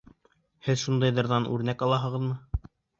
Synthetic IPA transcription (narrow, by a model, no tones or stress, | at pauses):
hɘðʃund̪ɤjðɤ̆ɾðɑnʔʉ̰ɾnækɑlˠɑɦɤ̆ʁɤðmɤ